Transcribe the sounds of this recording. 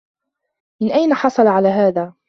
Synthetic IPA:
mɪnʔajnaħɑsˤɑlʕalaːɦaːðaː

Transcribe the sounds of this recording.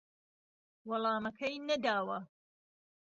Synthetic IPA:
wɐlˠɑːmɐkʰɐjnɐd̪aːwɐ

